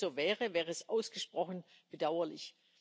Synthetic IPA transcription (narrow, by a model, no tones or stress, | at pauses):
zoːvɛːʁəvɛːʁəɛsʔaʊsɡ̥əʃpʁ̥ɔxn̩ | b̥ədaʊɐlɪ̰ç